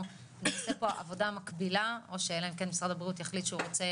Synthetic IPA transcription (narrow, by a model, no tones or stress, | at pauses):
neasepo̞ʔa̰vo̞damakbilao̞ʃejelaemkenmisʁadabʁiut̪jaχlit̪ʃɛuʁot͡se̞